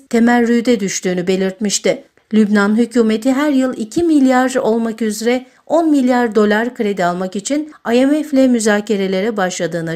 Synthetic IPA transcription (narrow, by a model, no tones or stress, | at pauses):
t̪ʰe̞mælʲɾyjd̪ɛd̪yʃt̪ʰyːnybe̞lʲiɾt̪miʃt̪ɪ | lʲybnanɦycʰuːme̞t̪ʰiɦæɾjɯlˠicʰimilʲjaɾo̞lˠmakyzɾɛ | o̞nmilʲjaɾd̪o̞lˠaɾkʰɯɾe̞d̪ialˠmakit͡ʃʰinajɛmɛflʲɛmyzaːcʰe̞ɾe̞lʲe̞ɾɛbaʃlˠad̪ɯːna